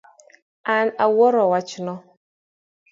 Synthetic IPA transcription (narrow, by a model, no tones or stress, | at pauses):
anawɔɾɔwat͡ʃnɔ